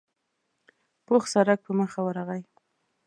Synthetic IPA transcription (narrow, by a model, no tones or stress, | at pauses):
poxsaɾak̚pəməxawaɾaɣaj